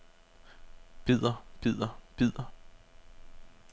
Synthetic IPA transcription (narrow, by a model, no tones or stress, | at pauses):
b̥ið̰ˠɐb̥ið̰ˠɐb̥ið̰ˠɐ